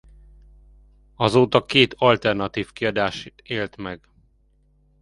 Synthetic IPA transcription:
ɒzoːt̪ɒkeːt̪ɒlt̪ɛrnɒt̪iːfkiɒd̪aːʃit̪eːlt̪mɛɡ

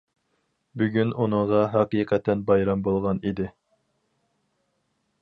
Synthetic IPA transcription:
byɡʲynunɨŋʁɑɦɑqiːqʰɛt̪ːɛnbɑjɾɑmbolˠʁɑnid̪ɪ

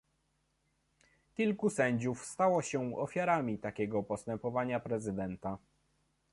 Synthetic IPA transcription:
kʲilkusɛɲd͡ʑufst̪awɔɕɛɔfʲjaɾamʲit̪akʲɛɡɔpɔst̪ɛmpɔvaɲapɾɛzɘd̪ɛnt̪a

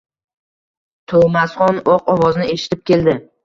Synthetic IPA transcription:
t̪ʰomasχɒnɒqɒvɒznɪeʃɪ̥t̪ʰɪp̚kʲʰe̞ld̪ɪ

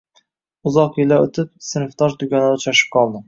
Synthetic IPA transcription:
ʊzɒqjɪlaɵt̪ʰɪp̚sɪnft̪ɒʒd̪ʊkʲɒnad̪at͡ʃʰɒʃɪ̥p̚qʰɒlˠd̪ɪ

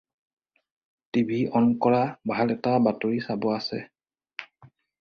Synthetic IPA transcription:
tibʱiɔnkɔɹabʱalɛtabatoɹisabɔasɛ̰

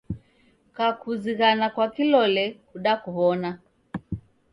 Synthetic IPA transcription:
kakuziɣanakwakilɔlɛkuɗakuβɔna

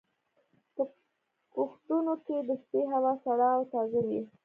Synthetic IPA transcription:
pə | koxt̪unoked̪əspeɦawɑsaɽɑwt̪ɑzɪɾji

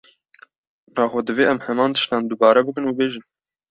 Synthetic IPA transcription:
nɑːxʷod̪ɨveːʔɛmhɛmɑːnt̪ə̥ʃt̪ɑːnd̪ubɑːɾɛbɨkɨnuːbeːʒɨn

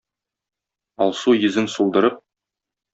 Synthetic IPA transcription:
ɒlˠsujɘ̆zɘnsulˠd̪ɤ̆ɾɤp̚

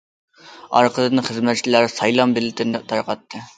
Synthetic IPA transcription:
ɑ̰ɾqʰəlɨnɨχəzmɛt̪̚t͡ʃʰilæɾsɑjlˠɑmbɪlːɪt̪ʰɪnɛt̪ʰɑɾqɑt̪ʰːɨ

